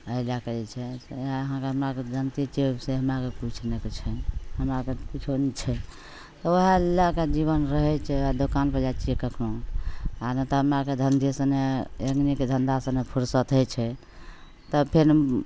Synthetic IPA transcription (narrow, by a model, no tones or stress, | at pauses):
əilakeɛt͡ʃʰɛsəɦãkeɦəmɾaked̪ʱənt̪it͡ʃeseɦəmɾakekut͡ʃʰnekt͡ʃʰɛhəmɾakekit͡ʃʰonit͡ʃʰɛ | t̪ɔwəɦelaked͡ʒiβənɾəɦɛt͡ʃʰɛad̪okanpəd͡ʒat͡ʃiekəkʰno | anat̪ɔɦəmɾaked̪ʱənt̪isəneeɡniked̪ʱənd̪asənepʰuɾsət̪ʰət͡ʃʰɛ | t̪ɔpʰeɾ